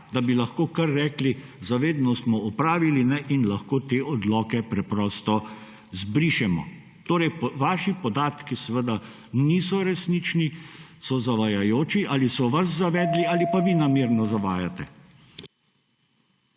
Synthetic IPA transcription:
d̪abilɐxkoːkaɾːɛːklizaʋeːd̪nɔsmɔɔpɾaːʋilinɛʔinlɐxkoːt̪eːʔɔd̪lɔːkɛpɾɛpɾɔːst̪ɔ | zbɾiːʃɛmɔ̰ | t̪oːɾɛjpʋaːʃipɔd̪aːt̪kisɛʋəd̪a | nisɔɾɛsnit͡ʃnisɔzaʋajajoːt͡ʃiʔaːlisɔʋas̬zaʋɛːd̪liaːlipaʋinamiːɾnɔzaʋaːjat̪ɛ

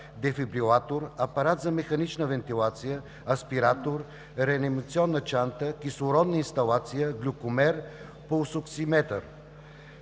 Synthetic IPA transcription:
d̪ɛfibɾilˠat̪oɾɐpɐɾat̪zɐmɛxɐnit͡ʃnəvɛnt̪ilˠat̪sijə | ɐspiɾat̪oɾ | ɾɛɐnimɐt̪siɔnːət͡ʃant̪əkislˠʊɾɔd̪nəinst̪ɐlˠat̪sijəɡlʲukʊmɛɾ | posʊksimɛt̪ə̰ɾ

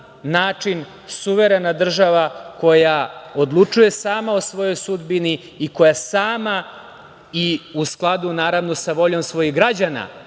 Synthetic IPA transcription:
naːt͡ʂin | suʋe̞ɾe̞nad̪r̩ʒaʋako̞jaod̪lˠut͡ʂuje̞saːmao̞sʋo̞jo̞jsud̪bini | iko̞jasaːma | iusklˠad̪unaːɾaʋnosaʋo̞ʎo̞msʋo̞jiɣɡɾad͡ʑana̰

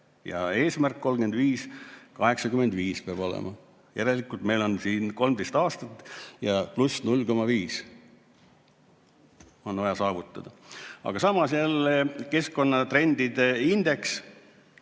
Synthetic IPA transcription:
jɑ̰e̞ːsmærkːo̞lmɡend̪viːskɑɦe̞ksɑkyme̞nd̪viːspeɑb̥o̞lḛmʔɑ̰ | jæɾelikːˑult̪me̞jlo̞nsiːnko̞lmd̪e̞jst̪ɑːst̪ɑt̪ːˑjɑplusnulːko̞mɑviːs | o̞nɑjɑsɑːvut̪ˑːɑd̪̥ɑɑ̰ɡ̥ɑsɑmɑsjælːke̞skːo̞nːɑt̪re̞nd̪̥id̪eind̪̥e̞ks

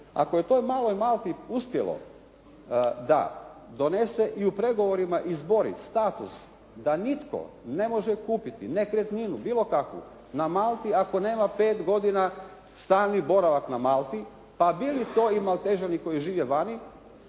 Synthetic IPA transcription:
a̰koje̞t̪o̞ːjmaːlo̞jmaːlˠt̪iuspje̞̰lˠo̰ | d̪a̰d̪o̞ne̞se̞ʔiupɾe̞ɡo̞ʋo̞ɾimaʔizbo̞ɾḭst̪aːt̪ṵs | d̪anit̪ko̰ | ne̞mo̞ʒekuːpit̪inekɾet̪ninubiːlˠo̞kakʋṵ | namaːlˠt̪iako̞ne̞ːmape̞ːt̪ɡo̞d̪ina | st̪aːlnibo̞ɾaʋaknamaːlˠt̪i | pabilit̪o̞ːimalt̪eʒaniko̞jiʒiːʋeʋani

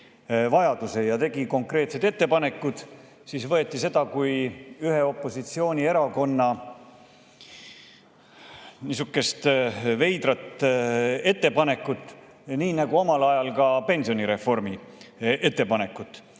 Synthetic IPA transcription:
vɑjɑd̪̥use̞jɑt̪e̞ɡiko̞ŋkre̞ːt̪se̞d̪e̞t̪ːe̞pɑne̞kːud̪̥ | sisvɤe̞t̪ːˑise̞d̪̥ɑkujyɦe̞o̞pːˑo̞sit̪sio̞ːnʲie̞ɾɑko̞nːɑ | nisukːˑe̞st̪ve̞jd̪rɑt̪ː | e̞t̪ːe̞pɑne̞kːˑut̪ːˑ | niːnæɡ̥uo̞mɑlɑjɑlkɑpe̞nsio̞niɾe̞fo̞rmie̞t̪ːe̞pɑne̞kːˑut̪ːˑ

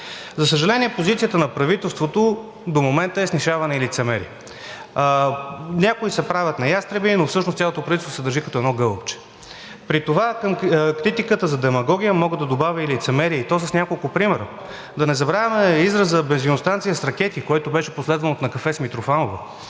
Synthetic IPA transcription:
zɐsəʒɐlɛniɛpozit̪sijət̪ənɐpɾɐvit̪ɛlˠst̪vot̪o | d̪omomɛnt̪əɛsniʃavɐnɛilit̪sɛmɛɾḭ | nʲakoisɛpɾavʲjət̪nɐjast̪ɾɛbinofsɤʃnost̪ʲjalˠot̪opɾɐvit̪tst̪ːosɛd̪əɾʒikɐt̪ɔɛd̪nɔɡɤlˠopt͡ʃɛ̥ | pɾit̪ovakəmkɾit̪ikət̪əzɐd̪ɛmɐɡɔɡʲijəmɔɡəd̪ɐd̪obavʲəilit̪sɛmɛɾiəit̪ɔs̬əsnʲakolˠkʊpɾimɛɾə | d̪ɐnɛzɐbɾavəmɛizɾəszəbɛnzinost̪ant̪sijəsɾɐkɛt̪ikoɛt̪obɛʃɛ̥poslɛd̪vɐnot̪nɐkɐfɛsmit̪ɾofanovə

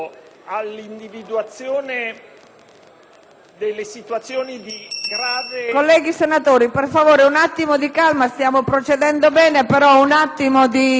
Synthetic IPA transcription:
alːind̪ivid̪uat̪sjoːne | d̪elːesit̪wat̪sːjoːnid̪iɡɾaːvekolːɛːɡisenat̪oːɾiperfavoːɾeunat̪ːimod̪ikalmast̪jaːmopɾot͡ʃed̪ɛnd̪obɛːnepeɾɔunat̪ːimod̪i

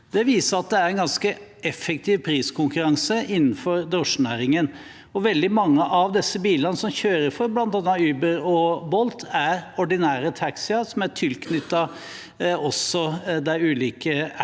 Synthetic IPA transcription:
d̪̥ɛʋiːsəɾɑt̪̚d̪ɛæɾɛnɡɑnskəɛfək̚t̪ʰiːʋpʰɾiːskʰʊŋkʉɾɑŋsəʔɪnːn̩fɔɾd̪ɾɔʂnæːɾɪŋən | ɔʋɛld̪ɪmɑŋːəʔɑʋd̪ɛsːəbiːlɑnəsɔmçøːɾəɾfɔɾblɑnt̪ɑnːɑyːbəɾɔbɔlt̪ʰæɾɔɖɪnæːɾət̪ʰɑksɪɑsɔmæʈʰɪlkʰnʏt̪ːɑ | ɔsːɔd̪æɪʉːliːkə

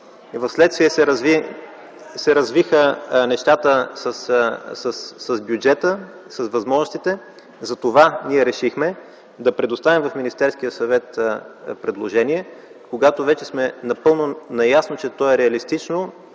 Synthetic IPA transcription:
vɐfslɛt̪st̪viəsɛ | sɛɾɐzvixənɛʃt̪at̪əsəssəsːɐzbjud͡ʒɛt̪ə | sɐsvɐzmɔʒnʊst̪it̪ɛ | zɐt̪ovaniɛɾɛʃixmɛ | d̪ɐpɾɛd̪ost̪avimvɐfminist̪ɛɾsk̟ijəsɐvɛt̪pɾɛd̪lˠoʒɛniɛkoɡat̪ovɛt͡ʃɛsmɛnɐpɤlˠnonɐjasnot͡ʃɛt̪ɔɛɾɛɐlist̪it͡ʃno

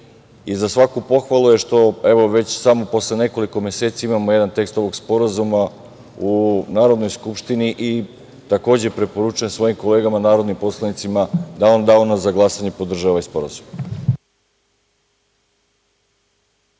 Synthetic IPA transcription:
izasʋakupo̞xʋaluje̞ʃt̪o̞e̞ʋo̞ʋe̞t͡ɕsamo̞po̞sle̞ne̞ko̞liko̞me̞set̪saimamoje̞d̪ant̪e̞kst̪o̞ʋo̞ɡspo̞ɾazuma | unaːɾod̪no̞jskupʃt̪iniʔi | t̪ako̞ːd͡ʑe̞pɾe̞po̞ɾut͡ʃujemsʋo̞jimko̞le̞ːɡamanaːɾo̞d̪nimpo̞slˠanit̪simad̪aond̪aonazaɡlˠasaɲe̞po̞d̪r̩ʒaʋaispo̞ɾa̰zum

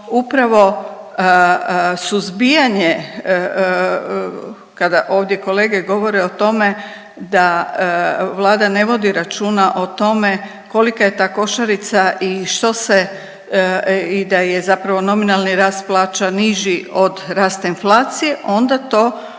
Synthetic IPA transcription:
upɾaʋo̞ | suzbijaɲe | kad̪aʔo̞ːʋd̪je̞ko̞le̞ːɡeɡo̞ʋo̞ɾeot̪o̞me̞ | d̪a | ʋlˠaːd̪ane̞ʋo̞d̪iɾat͡ʃuːnaʔo̞t̪o̞me̞ | ko̞likaje̞t̪aːko̞ʃaɾit̪saʔiʃt̪o̞se | id̪ajezapɾaʋo̞no̞minalˠniɾaːst̪̚plˠaːt͡ʃaniʒio̞d̪ɾaːst̪ainflˠaːt̪sije̞ʔo̞nd̪at̪o̞ː

